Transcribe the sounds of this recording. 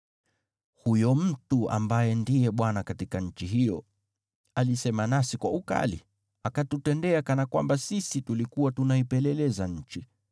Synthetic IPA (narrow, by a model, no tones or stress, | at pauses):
hujɔm̩tua̰mbajɛndijɛɓwanakatikaɲ̩t͡ʃiɦijɔ | alisɛmanasikwauka̰lḭ | akatutɛndɛakanakwa̰mbasisitulikuwatunaipɛlɛlɛzaɲ̩t͡ʃi